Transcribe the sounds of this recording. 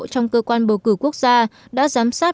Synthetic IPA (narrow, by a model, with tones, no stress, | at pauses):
t͡ɕɔ˧wŋ͡mkəː˧kwaː˧nɓo˧˩kɨ˧˩ku˦˥ək̚z̥aː˧ɗa̰ː˧˥zaː˨˦msaː˦˥t̚